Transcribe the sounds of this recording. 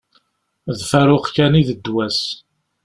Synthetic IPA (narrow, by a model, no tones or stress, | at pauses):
ðfæɾʊqkæniðəd̪ːwæs